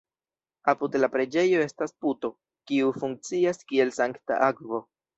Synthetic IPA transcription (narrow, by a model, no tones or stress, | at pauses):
apudlapɾe̞d͡ʒe̞jo̞e̞stasputo̞ | kiufuŋk̚t͡siaskie̞lsaŋkta̰ʔakvo̞